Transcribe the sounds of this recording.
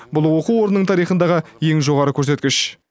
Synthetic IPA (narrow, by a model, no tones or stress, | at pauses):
bʊlˠwo̞quwo̞ɾənəɴt̪ʰɑɾijχənd̪ɑʁəje̞ŋʒo̞ʁɑɾəkʲʰɵɾs̬e̞t̪kʲɪʃ